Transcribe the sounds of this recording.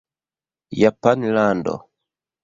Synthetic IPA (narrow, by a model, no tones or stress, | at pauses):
japanlandɔ̰